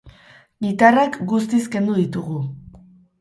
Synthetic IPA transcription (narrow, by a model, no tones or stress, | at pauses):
ɡit̪arakɡust̪iske̞nd̪uðit̪uɣu